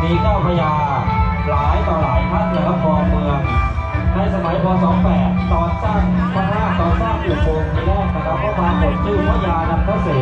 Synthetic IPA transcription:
miː˧kaː˥˩wpʰa˧jaː˧ | laː˨˦jt̪ɔː˧˩laː˨˩jpʰa˦˥t̪̚nɯ˧˩˦la˦˥pʰɔː˧mɯ˧əŋ | na˧jsa˧ma˩˦jpʰɔː˧sɔː˨˩˦ŋpɛː˨˩t̪t̪ɔː˧˩nsaː˥˩ŋpʰa˦˧pʰaː˥˩k̚t̪ɔː˧˩nsaː˥˩ŋju˨˩kʰoː˧mnʰi˧lɛː˥˩k̚na˧kʰa˦˥p̚ʰːɔ˧˩kʰaː˧npʰo˨˩t̚t͡ɕɯː˥˩pʰa˧˥˩jaː˧na˧mpʰa˦˥˩seː˨˩

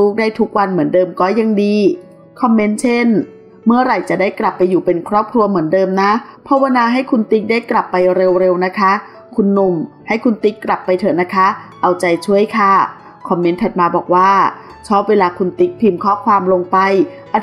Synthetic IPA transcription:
u˦˥k̚daː˥˩jt̪ʰu˦˥k̚wa˧nmɯ˩˦əndɤː˧mkɔː˦˥˩ja˧ŋdiː˧ | kʰɔ˧mːe˦˥nt͡ɕʰe˥˩n | mɯ˥˩ɐɾa˨˩jt͡ɕa˨˩daː˥˩jkla˨˩pːa˧jːuː˨˩pe˧nkʰɾɔː˥˩p̚kʰɾu˧ɐmɯ˩˦əndɤː˧mna˦˥pʰɔ˦˥wa˧naː˧ɦa˥˩jkʰu˧nt̪i˦˥k̚daː˥˩jkla˨˩pːa˧jɾe˧wɾe˧wna˦˥kʰa˦˥ | kʰu˧nːu˧m | ha˥˩jkʰu˧nt̪i˦˥kːɾa˨˩pːa˧jt̪ʰɤ˩˦na˦˥kʰa˦˥ʔa˧wt͡ɕa˧jt͡ɕʰu˥˩əjkʰa˥˩ | kʰɔ˧mːe˦˥nt̪ʰa˨˩t̪̚maː˧bɔ̰ː˨˩k̚waː˥˩ | t͡ɕʰɔː˦˥˩p̚weː˧laː˧kʰu˧nt̪i˦˥k̚pʰiː˧mkʰɔː˥˩kʰwaː˧mlo˧ŋpa˧jʔa˧

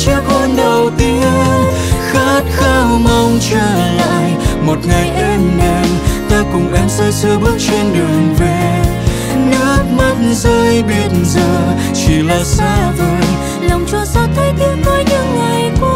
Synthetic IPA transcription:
t͡ɕɛ˧˦p̚ə˧nɗə˨˩wt̪i˧˦n | xa˦˥t̚xaː˧wma˧wŋ͡mt͡ɕəː˧˩la̰ː˧˨jmo˨˩t̚ŋa˨˩jʔɛ˧mŋa˧˩jt̪aː˧kʊ˨˩ŋ͡mʔɛ˧msɛ˧˥sɨ˧ɓɨ˦˥ək̚t͡ɕe˧nɗɨ˨˩əŋve˨˩ | nɨ˦˥ək̚ma˦˥t̚nzəː˧jɓi˦˧˩ət̚nzəː˨˩ | t͡ɕi˨˩laː˨˩saː˧˥ve˧˨˩n | lə˨˩wŋ͡mt͡ɕɔ˧˩sɔ˧˥t̪ʰə˧˦jt̪ɨ˧˥ŋ̚no˧˥jɲɨ˧˥ŋŋa˨˩jku˧

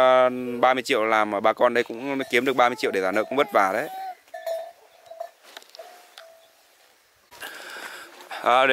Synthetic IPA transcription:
ɓaː˧mɨ˧t͡ɕḭ˧˨əwlaː˨˩mʔəː˨˩ɓaː˧kɔ˧nɗə˧jkʊ̰˧˥ŋ͡mki˨˦əmɗɨ˨˩ək̚ɓaː˧mɨ˧t͡ɕḭ˧˨wɗe˧˩zaː˧˩nə̰ː˧˨kʊ̰˧˥ŋ͡mɓt̚vaː˨˩ɗə˨˦j | ʔə˨˩ɗ

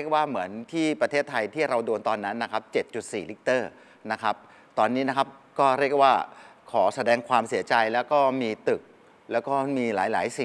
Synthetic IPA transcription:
ɾi˥˩ək̚waː˥˩mɯ˩˦ənt̪ʰiː˥˩pɾa˧t̪ʰeː˥˩t̪ʰːa˧jt̪ʰiː˥˩ɾa˧wdoː˧nt̪ɔː˧nːa˦˥nːa˦˥kʰa˦˥p̚t͡ɕe˨˩t̪̚t͡ɕu˨˩t̪̚siː˨˩li˦˥k̚t̪ɤː˥˩ | na˦˥kʰa˦˥p̚ | t̪ɔː˧nːiː˦˥na˦˥kʰa˦˥p̚kɔː˥˩ɾi˥˩ək̚waː˥˩kʰɔː˩˦sa˧dɛː˧ŋkʰwaː˧msi˩˦ɐt͡ɕa˧jlɛː˦˥wkɔː˥˩miː˧t̪ɯ˨˩k̚ | lɛː˦˥wkɔː˥˩miː˧la̰ː˩˦jlaː˩˦jsi˨˩

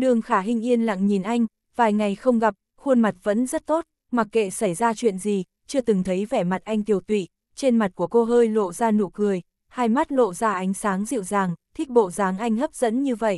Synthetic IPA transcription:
ɗɨ˨˩əŋxaː˧˩ɦï˧ŋ̟ʔi˧ənla̰˧˨ŋɲi˨˩nʔa˧jŋ̟ | v̥aː˨˩jŋa˨˩jxə˧wŋ͡mɣa˨˩p̚ | xu˧ənma˨˩t̚və̰˧˥nzə˦˥t̚t̪o˦˥t̚ | ma˨˩kːḛ˧˨sa˧˩jzaː˧t͡ɕwḭ˧˨ənzi˨˩ | t͡ɕɨ˧ət̪ɨ˨˩ŋt̪ʰə˨˦jvɛ˧˩ma˨˩t̚ʔa˧jŋ̟t̪i˧˩əwt̪wḭ˧˨ | t͡ɕe˧nma˨˩t̚ku˧˩əko˧ɦəː˧jlo̰˧˨zaː˧nṵ˧˩kɨ˨˩əj | haː˧jma˦˥t̚lo̰˧˨zaː˧ʔa˨˦jŋ̟saː˨˦ŋzḭ˧˨wzaː˨˩ŋt̪ʰï˦˥k̟̚ɓo̰˧˨zaː˨˦ŋʔa˧jŋ̟hə˦˥p̚z̥ə̰˧˥nɲɨ˧və̰˧˨jʔ

